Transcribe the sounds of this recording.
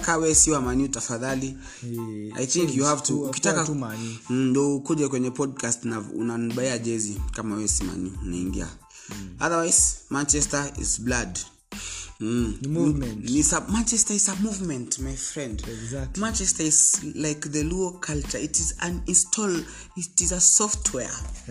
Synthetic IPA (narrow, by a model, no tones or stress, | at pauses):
kawɛsiwamanutafaðali | a̰jθĩŋkjuhavtuukitaka | ndɔkuʄɛkwɛɲɛpɔd̚kastnaṵnaniɓaiad͡ʒɛzikamawɛsima̰nuna̰ḭŋɡḭa̰ | aðəwajz̥mãnt͡ʃɛstəḭzblad | nisamãnt͡ʃɛstəizəmuvmɛ̃ntmajfɹɛ̃ndmãnt͡ʃɛstəizlaɪkðəluəkʰalt͡ʃə˞itizãninstʰɔl | tizəsɔftʰwɛ